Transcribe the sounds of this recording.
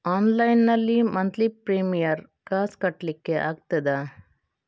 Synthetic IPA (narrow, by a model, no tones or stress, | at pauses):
aːnlɐjnːɐlːimɐnt̪lipɾiːmijɐɾ | kaːskɐʈːlɪkːeʔa̰ːɡ̚t̪ɐd̪aː